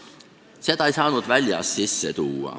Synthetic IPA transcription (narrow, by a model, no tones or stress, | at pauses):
se̞t̪ɑejsɑːnud̪̥vælʲjɑ̰st̪sisːet̪uːɑ̰